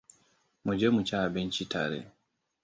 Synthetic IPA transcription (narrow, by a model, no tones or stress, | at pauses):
mud͡ʒɛmut͡ʃaːbɛnt͡ʃitʰa̰ɾɛ̰